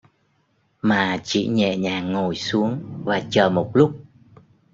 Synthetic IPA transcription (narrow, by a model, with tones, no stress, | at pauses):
maː˨˩t͡ɕḭ˧˩ɲɛ̰˧˨ɲaː˨˩ŋo˨˩jsu˨˦əŋvaː˨˩t͡ɕəː˨˩mo˨˩t̚lʊ˦˥k͡p̚